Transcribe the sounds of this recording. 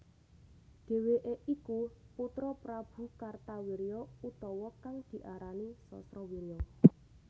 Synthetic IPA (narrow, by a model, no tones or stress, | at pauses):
d̪̥e̤weʔeʔikuput̪ɾɔpɾab̥ṳkart̪awiɾijɔut̪ɔwɔkaŋd̪̥i̤ʔaɾanisɔ̰sɾɔwiɾijɔ